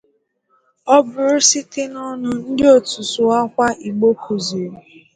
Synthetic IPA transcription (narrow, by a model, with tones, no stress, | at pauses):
ɔ˦bʊ˨ɾʊ˦sɪ˦tɪ˦nɔ˦nʊ˦n̩˦dɪ˦o˦˨tu˨sʊ˨a˦kʷa˦ʔi˨ɡ͡bo˦kʰu˨ze˨ɾ